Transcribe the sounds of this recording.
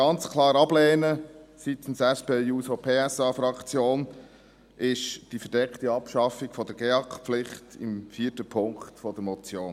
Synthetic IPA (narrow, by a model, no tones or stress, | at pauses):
ɑnt͡skʰlɑːɾɑb̥lɛːnəsit̪n̩sɛspeːjuːsopʰeːɛsɑːfɾɑkt͡sjoːn | ʔɪʃd̥ifəɾd̥ɛkχtiɑpʃɑfiɡ̥fɔd̪əɡ̥eɑkχpflɪχtɪmfiːətəpʰʊŋktfɔd̪əmɔt͡sjoːn